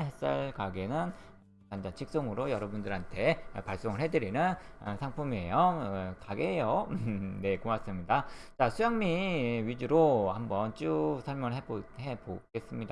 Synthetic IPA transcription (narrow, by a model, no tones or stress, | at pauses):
ɦes͈a̰ɭkaɡe̞nɯn | kand͡ʑant͡ɕʰik̚s͈oŋɯɾojʌɾʌbundɯɾɦantʰe̞paɭs͈oŋɯɭɦe̞dɯɾinɯnsʰaŋpʰumejʌkaɡeɦejʌne̞komas͈ɯmɲidat͡ɕasʰujaŋmiɥid͡ʑuɾohambʌnt͡ɕ͈usʰʌɭmjʌŋɯɭɦebohe̞boɡ̥e̞s͈ɯmɲida